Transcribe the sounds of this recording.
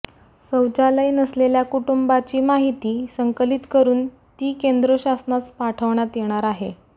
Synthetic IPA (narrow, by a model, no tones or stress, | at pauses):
səwd͡ʑaləinəsleljakuʈumbat͡ɕiːmaɦit̪iːsəŋkəlit̪kəɾuːn | t̪iːkend̪ɾəɕasnaspaʈʰəʋɳat̪jeɽ̃aɾaɦe